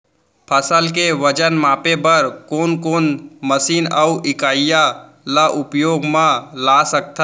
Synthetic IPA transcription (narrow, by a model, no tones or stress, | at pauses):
pʰəsəlkeʋəd͡ʒənmaːpebəɾkoːnkoːnməsiːnəuʔɪkaːja | laʔʊpjoːɡmãlasək̚t̪ʰa